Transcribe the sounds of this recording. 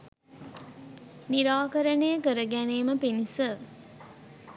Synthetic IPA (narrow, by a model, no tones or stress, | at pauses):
niɾaːkəɾənəjəkəɾəɡæneːməpinisə